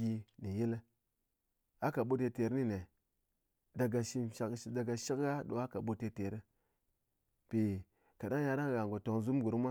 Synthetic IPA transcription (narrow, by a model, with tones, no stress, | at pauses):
i˧ni˨ji˦l | a˦ka˨ɓo˦te˨˧te˨ɾni˦ne˨ | da˨ɡa˨ʃi˦nʃa˦kda˨ɡa˨ʃi˦kɡa˦ɗo̰˨a˦ka˨ɓo˦te˨te˨ɾ | pi˨ | ka˨ɗa˦ŋja˧ɗa˦ŋ˨ɣa˨ŋɡo˨to˨ŋzu˦m˦ɡu˨ɾmʷa˦